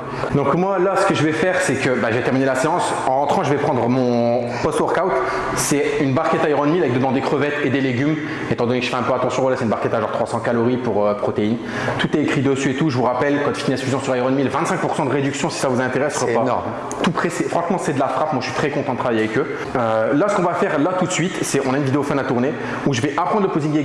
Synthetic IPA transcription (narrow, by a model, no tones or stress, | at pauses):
d̪ɔ̃kmwalasə̥kəʒəvɛfɛʁsɛkəbaʒəvɛt̪ɛʁminelaseɑ̃s | ɑ̃ʁɑ̃t̪χɑ̃ʒəvɛpχɑ̃d̪ʁəmɔ̃ | pɔst̪wɛʁkawt̪ | sɛynbaʁkɛt̪aiʁɔnmilavɛk̚d̪əvɑ̃d̪ekχəvɛt̪ed̪eleɡʲym | et̪ɑ̃d̪ɔnekʒə̥fɛɛ̃pøat̪ɑ̃sjɔ̃vwalasɛynbaʁkɛt̪aʒɑ̃ʁt̪χwasɑ̃kaloʁipuʁøpχɔt̪ein | t̪ut̪ɛekχid̪əsyet̪uʒəvuʁapɛlkɑ̃t̪y̥finɛsfyzɔ̃syʁaiʁɔnmilvɛ̃t̪sɛ̃ŋk̚puʁsɑ̃d̪əʁed̪yksjɔ̃si̥savuzɛ̃t̪eʁɛsʁɔpa | t̪upχesefχɑ̃ʃmɑ̃sɛd̪əlafχapmwaəʃɥit̪χɛkɔ̃t̪ɑ̃d̪ət̪χavajeavɛkø | ølasə̥kɔ̃vafɛʁlat̪ut̪sɥit̪sɛɔ̃naynvid̪eɔfɔnat̪uʁne | uʒəvɛʔapχɑ̃d̪ʁləpoziɡe